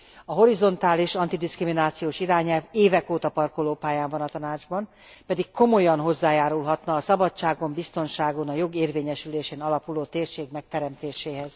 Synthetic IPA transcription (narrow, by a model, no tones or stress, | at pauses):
ɒɦo̞ɾizo̞nt̪aːliʃɒnt̪id̪iskriminaːt̪sijoːʃiɾaːɲɛlveːvɛkoːt̪ɒpɒrkoloːpaːjaːɱvɒnɒt̪ɒnaːd͡ʒbɒn | pɛd̪ikkːo̞mo̞jɒnɦo̞zːaːjaːɾulɦɒt̪nɒːsɒbɒtt͡ʃaːɡombist̪o̞nʃaːɡonɒjo̞ɡeːrveːɲɛʃyleːʃeːnɒlɒpuloːt̪eːrʃeːɡmɛk̚t̪ɛɾɛmt̪eːʃeːɦɛz̥